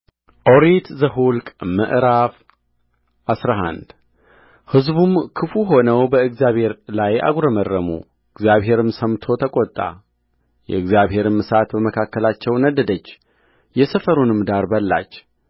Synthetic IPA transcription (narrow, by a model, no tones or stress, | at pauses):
ʔoɾit̪zəɦulkʼməʔɾaf | ʔasɾaɦa̰nd̪ | hɨzbumkʰɨfuɦo̞nəwbəɨɡzjaβhe̞ɾlaja̰ɡɾəmərːəmṵ | ɨɡzijaβɦe̞ɾɨmsəmt̪ʰo̞t̪ʰəkʼot̪ʼːa̰ | jɛ̰ɨɡzijaβhe̞ɾɨmɨsat̪bəməkʰakːəlat͡ʃːɛwnəd̪əd̪ət͡ʃː | jɛsəfəɾunɨmd̪aɾbəlːa̰t͡ʃː